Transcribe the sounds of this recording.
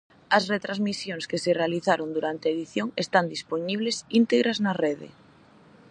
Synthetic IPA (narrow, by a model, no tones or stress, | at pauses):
ɐsret̪ɾazmisjoŋskeserealiθaɾond̪uɾant̪eaeðiθjoŋest̪and̪isponiβ̞lesint̪eɣɾaznareðḛ